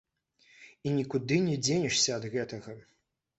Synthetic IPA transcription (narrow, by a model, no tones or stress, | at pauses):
inʲikud̪ɨnʲɛd͡zʲenʲiʂsʲɐɐd̪ɣɛt̪ɐɣɐ